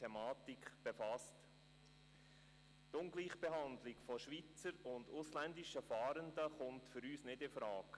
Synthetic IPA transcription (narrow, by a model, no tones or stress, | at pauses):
ɛmɑːtikb̥efɑst | tʊŋɡliːχb̥eɦɑnd̪lɪɡfɔʃʋit͡səɾʊndʊslændɪʃəfɑːɾəndəχʊntfʏɾyːsnɪdɪfɾɑːk